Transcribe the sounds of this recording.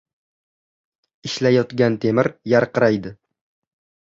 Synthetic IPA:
ɪʃlajɒt̪ɡʲant̪ʰe̞mɪɾjaɾqɨɾajd̪ɪ

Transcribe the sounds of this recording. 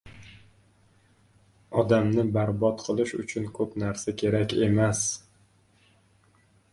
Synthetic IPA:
ɒd̪amnɪbaɾbɒt̪qʰɨlˠɪʃʊ̰t͡ʃʰʊnkʰɵpnaɾsakʲʰe̞ɾakʲe̞mas

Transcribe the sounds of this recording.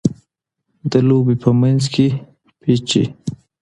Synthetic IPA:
d̪əlobepəmanzkʰe | pʰet͡ʃḛ

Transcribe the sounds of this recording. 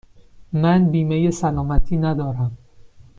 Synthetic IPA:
mænbiːmejesælɒːmæt̪ʰiːnæd̪ɒːɾæm

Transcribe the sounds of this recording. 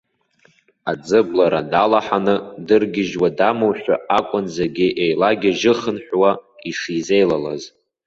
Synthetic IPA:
ad͡zɨblaɾadalaħanɨdɨrɡʲɪʒwadamowʃᶣʷa̰akʷʼʊnzaɡʲɪʔejlaɡʲɪʒɪχənħʷᶣwaiʂizejlala̰z

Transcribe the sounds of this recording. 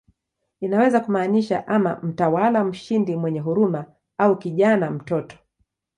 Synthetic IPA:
inawɛzakumaːniʃa̰ʔama̰m̩tawalam̩ʃindimwɛɲɛɦuɾuma | aukiʄanam̩tɔtɔ̥

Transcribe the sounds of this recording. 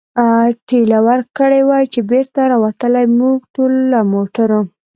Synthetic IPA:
ʈelawaɾkəɽewajt͡ʃebeɾt̪aɾawat̪əlajmuɡʈollamoʈaɾo

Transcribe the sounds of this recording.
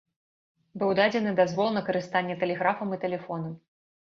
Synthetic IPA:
bɨwd̪ad͡zʲɛnɨd̪azvɔlˠnɐkɐɾɨst̪anʲːɛt̪ɛlʲɛɣɾafɐmit̪ɛlʲɛfɔnɐm

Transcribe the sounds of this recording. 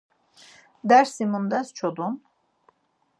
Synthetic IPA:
d̪æɾsimund̪ast͡ʃʰod̪un

